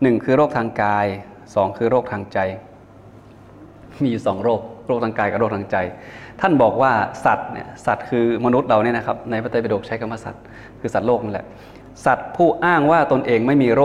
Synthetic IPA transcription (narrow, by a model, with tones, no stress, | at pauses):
nɯ˨˩ŋkʰɯː˧ɾoː˥˩k̚t̪ʰaː˧ŋkaː˧j | sɔː˩˦ŋkʰɯː˧ɾoː˥˩k̚t̪ʰaː˧ŋt͡ɕa˧j | miː˧juː˨˩sɔː˩˦ŋɾoː˥˩k̚ɾo˥˩k̚t̪ʰaː˧kaː˧jka˨˩ɾoː˥˩k̚t̪ʰaː˧ŋt͡ɕa˧jt̪ʰa˥˩nbɔː˨˩k̚waː˥˩sa˨˩t̪̚nḭ˥˩ɐsa˨˩t̪̚kʰɯː˧ma˧nu˦˥t̪̚ɾa˧wniː˦˥na˦˥kʰa˦˥p̚na˧jpa˦˥t̪a˧˩pa˧doː˨˩k̚t͡ɕʰa˦˥jkʰa˧ma˥˩sa̰˨˩t̪̚ | kʰɯː˧sa˨˩t̪̚loː˥˩k̚ni˦˥lɛ̰˨˩ʔ | sa˨˩t̪̚pʰuː˥˩ʔaː˥˩ŋwaː˥˩t̪o˧nʔeː˧ŋma˥˩jmiː˧ɾoː˥˩